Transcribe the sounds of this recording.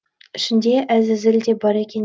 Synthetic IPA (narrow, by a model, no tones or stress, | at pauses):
ɪ̥̆ʃɪ̆nd̪eʔæzɪzɪld̪e̞bɒɾekʲen